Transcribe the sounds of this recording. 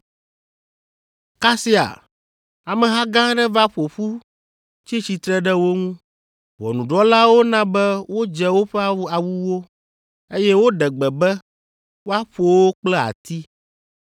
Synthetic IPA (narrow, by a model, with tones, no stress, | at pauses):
ka˦si˦a̰˨ | a˨mɛ̃˨ɦã˦ɡã˦ɖɛ˦va˦ɸo˨ɸu˦ | t͡ɕi˦t͡ɕi˨t̪ɾɛ˦ɖɛ˦wo˦ŋũ˦ | wɔ̰˨nũ˨ɖɔ˦la˦wo˦nã˦bɛ˦wo˦d͡ʒɛ˦wo˦ɸɛ˦a˦a˨wu˦wo˦ | e˦jɛ˦wo˦ɖɛ˨ɡ͡bɛ˨bɛ˦ | wo˦a˦ɸo˨wo˦k͡plɛ˦a̰˨t̪i˦